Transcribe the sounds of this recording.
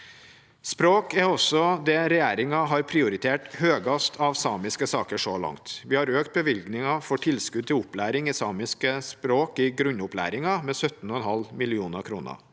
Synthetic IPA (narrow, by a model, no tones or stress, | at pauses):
spɾoːkæɾɔsɔd̪ɛɾɛjæːɾɪŋɑɦɑɾpʰɾɪʊɾɪt̪ʰeːʈhøːɡɑst̪ʰɑʋsɑːmɪskəsɑːkəʂɔlɑ̰ŋt̪ʋɪhɑɾøːkt̪̚bəʋɪlɡnɪŋɑfɔʈʰɪlskʉd̪̚t̪ʰɪlʊplæːɾɪŋɪsɑːmɪskəspɾoːkɪɡɾʉnːʊplæ̰ːɾɪŋɑmɛːsœt̪n̩ɔɛnɦɑlmɪlɪuːnəɾkʰɾuːnə̰